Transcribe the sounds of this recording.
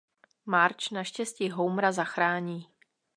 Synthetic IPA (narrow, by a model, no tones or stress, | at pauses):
maɾt͡ʃnaʃcɛsciːɦowmɾazaxɾaːɲiː